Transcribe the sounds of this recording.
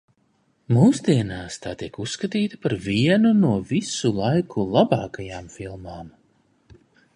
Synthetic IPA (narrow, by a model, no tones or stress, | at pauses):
muːsd̪iɛnaːst̪aːt̪iɛkusːkat̪iːt̪ḁpaɾviɛnunuɔvisulˠajkʰulˠabɑːkajaːmfilˠmaːm